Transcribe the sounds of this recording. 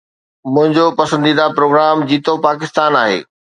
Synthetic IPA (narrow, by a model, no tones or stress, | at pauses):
mʊ̃ɦɪ̃ɲd͡ʑopɐsə̃nd̪iːd̪apɾoːɡɾaːmd͡ʑiːt̪opaːkɪst̪aːnaːɦḛː